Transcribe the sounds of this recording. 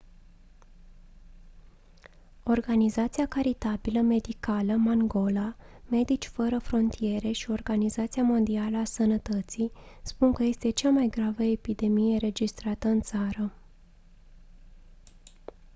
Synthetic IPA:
o̞rɡanizat̪siakaɾit̪abiləme̞d̪ikaləmaŋɡo̞la | me̞d̪it͡ʃʲfəɾəfɾo̞nt̪ʰije̞ɾe̞ʃio̞rɡanizat̪siamo̞nd̪ialəasənət̪ət̪sispunkəje̞st̪e̞t͡ʃamajɡɾavəepid̪e̞mijeɾe̞d͡ʒist̪ɾat̪əɨnt̪saɾə

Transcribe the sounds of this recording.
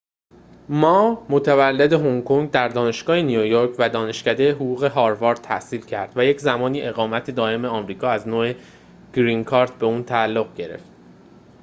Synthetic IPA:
mɒːmot̪ʰævælːe̞d̪e̞ɦoŋkʰoŋɡd̪æɾd̪ɒːne̞ʃɡ̥ɒːhenijojoɾcʰvæd̪ɒːne̞ʃcæd̪e̞jeɦoɡuːɣe̞ɦɒːɾvɒːɾd̪̚t̪ʰæ̰siːlcʰæɾd̪̥væje̞cʰzæmɒːniːʔe̞ɣɒːmæt̪ʰed̪ɒːe̞meɒmɾiːkʰɒːæznoːe | ɡ̥ɾiŋkʰɒːɾd̪̥be̞uːnt̪ʰæːlːoɣɟe̞ɾḛft̪

